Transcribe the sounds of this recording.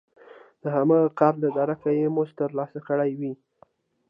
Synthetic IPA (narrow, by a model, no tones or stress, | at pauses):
d̪̥əɦamaqɑɾd̪əd̪aɾakajemuʒt̪əɾlɑsakəɽajwi